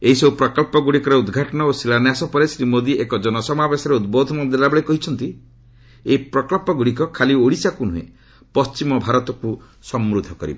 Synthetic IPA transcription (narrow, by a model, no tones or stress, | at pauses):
eɦisɔbupɾɔkɔlpɔɡuɽikɔɾeud̪ɡʱaʈɔnɔosilanjasɔpɔɾesɾimod̪iʔekɔd͡ʒɔnɔsɔmabesɔɾeud̪bod̪ʱɔmɔd̪elabɔɭekɔɦit͡ʃʰɔnt̪i | eipɾɔkɔlpɔɡuɽik̬ɔkʰalioɽisakunuɦḛ | pɔst͡ʃimɔbʱaɾɔt̪ɔku | sɔmɾud̪ʱːɔkɔɾḭbɔ